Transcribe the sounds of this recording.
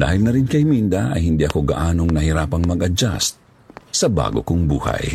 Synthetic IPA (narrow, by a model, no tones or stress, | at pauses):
d̪a̰ːhɪlnɐɾɪnkɐjmind̪aʔɐ̰jhɪnd̪iɐko̞ɡaʔaːnoŋnɐhɪɾaːpɐŋmɐɡɐd͡ʒa̰s̚ | sɐba̰ːɡokʊŋbuːha̰j